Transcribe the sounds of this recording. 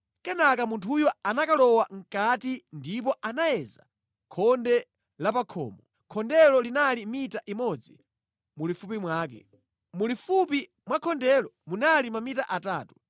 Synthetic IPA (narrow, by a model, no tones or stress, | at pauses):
kɛnakamuntʰujɔanakalɔwaŋ̩katindip̬ɔʔanajɛza̰ | kʰɔndɛ | lapakʰɔ̰ːmɔ | kʰɔndɛlɔlinalimitaʔimɔd͡zi | mulifupimwaːk̬ɛ̰ | mulifupi | mwakʰɔndɛlɔmunalimamitaʔataːtu̥